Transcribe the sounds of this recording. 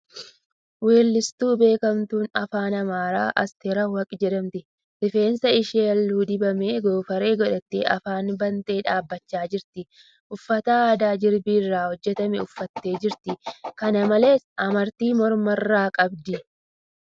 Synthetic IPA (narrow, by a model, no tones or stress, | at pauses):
we̞ːlːɪst̪uːbe̞ːkɐmt̪uːnɐfaːnɐmaːɾa̰ːʔɐ̰st̪eːɾɐwɐkʼɪd͡ʒɛᶑɐmt̪ɪ | dɪfe̞ːnsɐɪʃeːɐlːuːd̪ɪbɐmeːɡo̞ːfɐɾe̞ːɡɔᶑɐt̪ːɪʔɐ̰faːnbɐnt̪e̞ːᶑaːbːɐt͡ʃːaːd͡ʒɪɾt̪ɪ | ʔʊfːɐt̪ɐaːd̪aːd͡ʒɪɾbirːaːhɔd͡ʒːɛt̪ɐmɛʊfːɐt̪ːe̞ːd͡ʒɪɾt̪ɪkɐnɐmɐle̞ːsɐmɐɾt̪iːmɔɾmɐrːaːkʼɐbd̪ɪ